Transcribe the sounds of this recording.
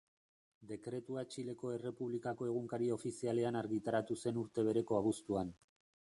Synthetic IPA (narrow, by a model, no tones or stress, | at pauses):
d̪e̞kɾe̞t̪uat͡ʃile̞ko̞e̞re̞puβlikako̞e̞ɣ̞uŋkaɾio̞fisiale̞anaɾɣit̪aɾat̪use̞nuɾt̪e̞β̞e̞ɾe̞ko̞aβ̞ust̪uan